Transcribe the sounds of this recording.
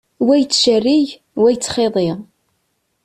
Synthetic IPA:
wæjt͡sːʃərːiʝ | wæjt͡sːχeðˤeʁ

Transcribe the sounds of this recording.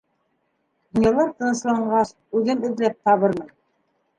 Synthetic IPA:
d̪ŭnjɑlˠɑɾt̪ɤ̆nɤ̆slˠɑɴɢɑʃ | ʉðɘmɵ̆ðlæp̚t̪ɑβɤɾmɤn

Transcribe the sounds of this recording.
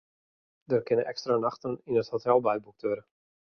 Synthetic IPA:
dərkɪnəʔɛkstranaxtəninəthotɛlˠbɛjbuk̚tʋøɾə

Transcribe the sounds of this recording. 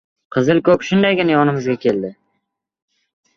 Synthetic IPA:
qʰɨzɪlˠkʰɵpʃʊnd̪ajɡʲɪnajɒnɪmʊzɡʲakʲʰeld̪ɪ

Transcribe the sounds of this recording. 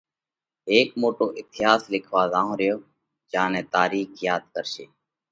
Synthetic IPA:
eːkmoːʈoːʔɪt̪ɪjaːslɪkʰʋaːzãːõːɾɪjoː | d͡ʒãːnẽːt̪aːɾiːkʰjaːd̪̚kəɾʃeː

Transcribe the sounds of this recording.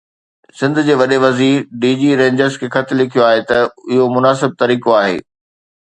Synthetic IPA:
sɪ̃nd̪ʱʊ̆d͡ʑeːʋɐɗeʋɐziːɾɖiːd͡ʑiːɾẽːɲd͡ʑəɾzkʰeːxɐt̪ʰɪlɪkʰijoaːɦet̪ɐɪɦomʊnaːs̬ɪb̚t̪ɐɾiːkoaːɦḛː

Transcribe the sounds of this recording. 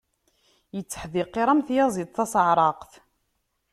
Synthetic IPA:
jət͡sːə̥ħðiqːeɾˤæmθjɑzˤid̪ˤθɑsʕɾˤɑqθ

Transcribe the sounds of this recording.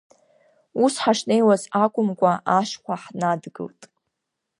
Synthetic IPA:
usħaʂnejwazakʷʼʊmkʷʼaʔaʂkʷʰaħnadɡɨ̰ltʼ

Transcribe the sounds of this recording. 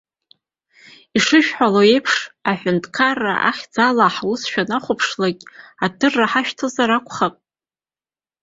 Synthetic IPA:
iʂɨʃᶣħaloe̞jpʰʂaħʷᶣʊntʰʼkʰarːa̰ʔa̰χʲd͡zalaħusʃᶣanaχʷʊpʰʂlakʲʼadɨrːaħaʃᶣtʰɨzaɾakʷʰʼχapʼ

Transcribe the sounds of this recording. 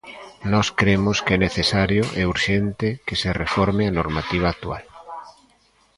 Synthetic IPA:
nɔskɾemʊskɛneθesaɾjoʔɛuɾʃɛnt̪ɪkeserefɔɾmeanoɾmat̪iβ̞aːk̚t̪ua̰l

